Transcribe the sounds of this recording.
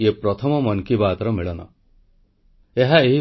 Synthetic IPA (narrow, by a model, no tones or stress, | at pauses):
epɾɔt̪ʰɔmɔmɔŋkibaːd̪ɔɾɔmiɭɔnɔ̰ | eɦaeɦi